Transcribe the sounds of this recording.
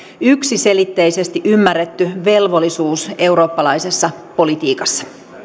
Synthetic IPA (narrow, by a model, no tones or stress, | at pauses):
yksise̞lit̪ːe̞jse̞st̪iʔymːærːet̪ːyʋe̞lʋo̞lːˑisuːse̞wɾo̞ːpːɑlɑjse̞sːɑpo̞lit̪iːkɑsːɑ̥